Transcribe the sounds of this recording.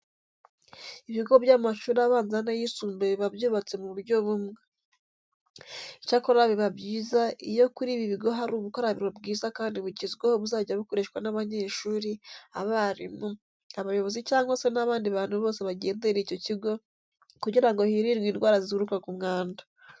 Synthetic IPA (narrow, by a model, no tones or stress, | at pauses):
iβiɡo̞bjaːmaʃuːɾaβaːnzanajisuːmbeβiβabjuːβat͡se̞muβuɾɟo̞βumŋe | icakoɾaβiβabɟiːzaḭjo̞kuɾiːβiβiɡo̞ɦaɾuːβukoɾaβiβabɡiːzakaːndiβuɟezɡwehoβuzaːɟaβiko̞ɾe̞ʃwanaβaɲe̞ːʃuːɾia̰βaɾḭmu | aβajo̞βo̞zicaːŋɡwo̞senaβaːndiβaːnhuβo̞ːse̞βaɟe̞ːnde̞ɾiːco̞ciɡo̞ | kuɟiɾaŋɡo̞hiɾiɾwiːnɡwaːɾazizɡuɾukakumŋaːnda